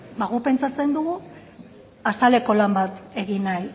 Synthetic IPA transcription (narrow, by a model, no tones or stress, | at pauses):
baɣupe̞nt͡sat͡se̞nd̪uɣu | asale̞ko̞lambat̪e̞ɣinaj